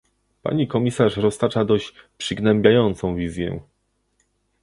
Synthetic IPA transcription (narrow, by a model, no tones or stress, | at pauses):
pa̰ɲikɔmʲisaʂɾɔst̪at͡ʂad̪ɔɕt͡ɕpʂɘɡnɛmbʲjajɔnt̪sɔ̃w̃vʲizʲjɛ̰